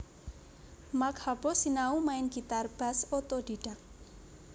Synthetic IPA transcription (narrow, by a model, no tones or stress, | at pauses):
makhabɔsinaumaɪnɡit̪arb̥a̤sot̪od̪̥iɖ̥a̤ŋ